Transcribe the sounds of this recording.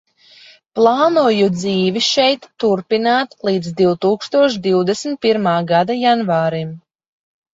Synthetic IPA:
plˠaːnuɔjud̪ziːviʃɛjt̪ːuɾpinaːt̪lˠiːd̪zd̪iwt̪uːkst̪uɔʃd̪iwd̪ɛsmt̪̚piɾmaːɡad̪ajanvaːɾim

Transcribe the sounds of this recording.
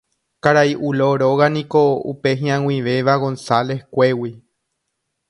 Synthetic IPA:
kaɾaiʔuloɾoɣanĩko̞ṵpe̞ɦĩãwĩʋe̞ʋaɣõ̞nsale̞hkʷe̞wi

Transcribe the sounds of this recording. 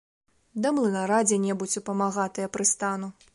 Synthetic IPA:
d̪ɐmlˠɨnaɾad͡zʲɛnʲɛbut͡sʲupɐmaɣat̪ɨjɐpɾɨst̪anu

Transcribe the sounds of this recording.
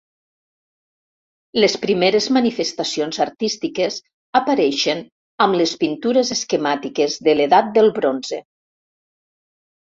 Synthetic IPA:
lespɾimeɾezmanifest̪asionzaɾt̪ist̪ikez | apaɾɛʃen | amlespint̪uɾezeskemat̪ikezðeleðat̪̚d̪elˠβɾonze

